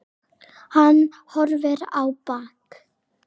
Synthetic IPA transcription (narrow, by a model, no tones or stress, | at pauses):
hanː | hɔɾvɪɾa̰wpaːk